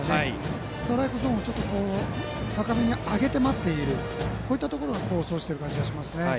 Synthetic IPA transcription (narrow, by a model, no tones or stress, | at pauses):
ne | st̪o̞ɾaikɯ̟zõɰ̃ot͡ɕo̞t̪ːo̞ko̞ː | t̪akamʲiɲ̟iaɡe̞t̪e̞mat̪ːe̞iɾɯ̟ | koːit̪ːat̪o̞ko̞ɾo̞ɡako̞ːso̞ːɕi̥t̪e̞ɾɯ̟kãɲ̟d͡ʑiɡaɕimasɨne̞